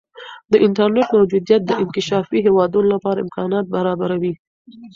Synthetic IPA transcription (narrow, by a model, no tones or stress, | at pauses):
d̪əʔɪnʈaɾneʈmawd͡ʒud̪jat̪̚d̪əʔɪnkɪʃɑfiɦewɑd̪unolapɑɾaɪmkɑnɑt̪̚baɾɑbaɾawi